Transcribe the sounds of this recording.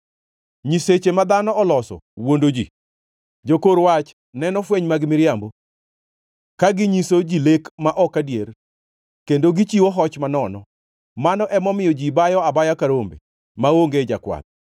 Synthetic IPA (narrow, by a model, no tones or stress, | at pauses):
ɲiset͡ʃemad̪anɔʔɔlɔsɔ̰wondod͡ʒḭ | d͡ʒokoɾwat͡ʃ | nɛnɔfweɲmaɡɪmɪɾjambo | kaɡɪɲisod͡ʒilekmaʔɔkadjer | kendoɡit͡ʃiwoɦɔt͡ʃmanɔnɔ | manɔʔɛmɔmɪjɔd͡ʒibajɔabajakaɾombḛ | maoŋɡed͡ʒakwa̰t̪̚